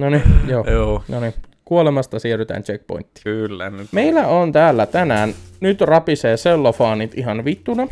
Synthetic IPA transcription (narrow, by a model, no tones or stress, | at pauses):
nonijoːjoːnonikuolemɑst̪ɑsiːryt̪æ̰ːnt͡ʃek̚po̰int̪ːi̥kylːænyt̪meilːˑæont̪æːlːæt̪ænæːnnyt̪rɑpiseːselːofɑːnit̪iɦɑnʋit̪ːunɑ